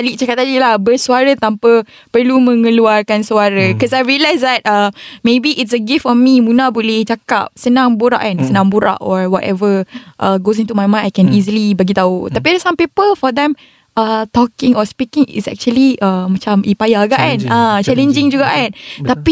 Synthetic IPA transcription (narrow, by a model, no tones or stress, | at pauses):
aliʔt͡ʃakap̚t̪aliʔlahbərsuaɾət̪ampa | pərlumə̃ŋə̃luarkansuaɾəkɔsajɹiəlajsd̪ɛt̚amẽbiʔɪtsəɡiftɔmimũnabolɪht͡ʃaka̰p̚sənãŋbuɾa̰ʔansənãŋbuɾa̰ʔɔɹwɔtɛ̰vəʔəɡos̬int̪umajmãnajkɛ̃nizəlibaɡit̪aut̪apidɛsãmpipəlfɔd̪ɛ̃m | ʔat̪ɔkɪ̃ŋɔspikɪ̃ŋɪ̰sɛ̰k̚t͡ʃuəliʔəmat͡ʃamʔipajaɡaʔanat͡ʃɛlə̃nd͡ʒɪŋd͡ʒuɡaʔant̪api